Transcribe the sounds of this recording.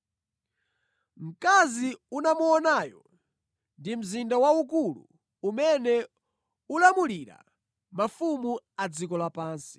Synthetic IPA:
m̩kaziunamuɔnaːjɔ | ndim̩zindawaukulṵ | umɛnɛ | ulamuliɾa̰ | mafumuad͡zikɔlapaːnsi̥

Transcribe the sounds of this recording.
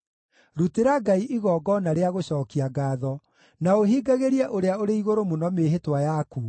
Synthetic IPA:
ɾuteɾaɡaiʔiɣɔːɡɔnaɾeaɣoɕɔːkiaɡaːðɔ | naoɦiɡaɣeɾiɛʔoɾeaoɾeiɣoɾomonɔmeɦetwajaku

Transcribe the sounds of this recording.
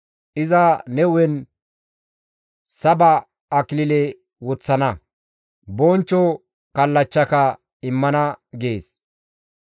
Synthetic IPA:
ʔɪzɐnɛwɛn | sɐbɐː | klɪlɛ | wɔt͡sːɐnɐ | bɔnt͡ʃːɔ | kɐlːɐt͡ʃːɐkɐ | ɪmːɐnɐɡeːs

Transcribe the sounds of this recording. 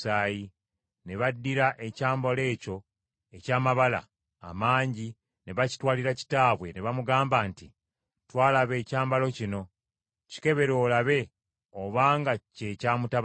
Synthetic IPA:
aːji | ne̞βadːiɾaʔe̞caːmbo̞le̞ːco̞ | e̞caːmaβala̰ː | maːɲɟi | ne̞βaci̥twaːliɾaci̥taːβwe̞neβamuɡaːmbaːnti | twaːlaβe̞ːcaːmbalo̞cino̞ | ci̥ke̞βe̞ɾo̞ːlaβe̞ | oβaːŋɡace̞caːmuta

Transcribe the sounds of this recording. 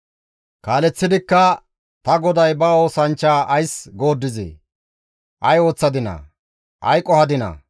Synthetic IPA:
kaːlɛt͡sːɪd̪ɪkːɐ | t̪ɐɡɔd̪ɐjbɐo̞ːsɐnt͡ʃːaːʔɐjsɡo̞ːd̪ːɪzḛː | ʔɐjo̞ːt͡sːɐd̪ɪnɐ̰ | ʔɐ̰jkʼːɔhɐd̪ɪnɐ̰

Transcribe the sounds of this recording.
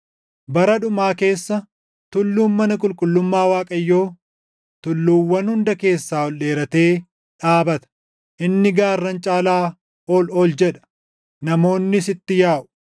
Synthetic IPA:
bɐɾɐᶑʊmaːke̞ːsːɐ | t̪ʊlːuːnmɐnɐkʼʊlkʼʊlːʊmːaːwaːkʼɐjːo̞ː | t̪ʊlːuːwːɐnhʊnd̪ɐke̞ːsːaːɔlɗe̞ːɾɐt̪e̞ː | ᶑaːbɐt̪ɐ̥ | ʔɪnːɪɡaːrːɐnt͡ʃʼaːlaː | oːloːld͡ʒɛᶑɐ̥ | nɐmo̞ːnːɪsɪt̪ːɪjaːʔʊ̥

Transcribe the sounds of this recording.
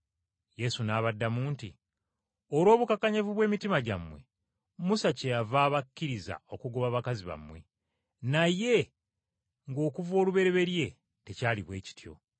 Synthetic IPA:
je̞sunaːβadːamuːnti | olo̞ːβukakaɲevuβwe̞ːmitimaɟa̰mwe̞̰ | musace̞javaːβakːiɾiza̰o̞kuɡuβaβakaziβa̰mːwe̞ | naje̞ | ŋɡo̞ːkuvo̞ːluβe̞ɾe̞βe̞ɾje̞ | te̞caːliβwe̞ːci̥tjo̞̰

